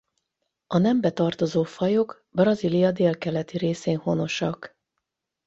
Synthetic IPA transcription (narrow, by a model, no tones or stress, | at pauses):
ɒnɛmbɛt̪ɒrt̪o̞zoːfɒjo̞ɡ | brɒzilijɒd̪eːlkɛlɛt̪iɾeːseːnho̞no̞ʃɒk